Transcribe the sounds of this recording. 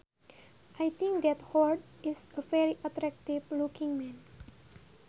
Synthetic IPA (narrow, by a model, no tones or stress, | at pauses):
ʔajt̪ʰĩŋk̚d̪ɛthɔɖisəfɛɾiʔatɾɛk̚tivlukĩŋmɛ̃n